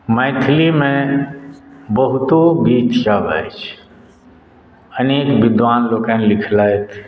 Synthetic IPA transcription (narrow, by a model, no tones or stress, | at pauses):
mə̃ɪt̪ʰlimẽ | bəɦʊt̪oɡiːt̪t͡ʃabə̰jt͡ʃʰ | əneːkʋɪd̪ʋaːnloːkɛnlɪkʰlaːet̪ʰ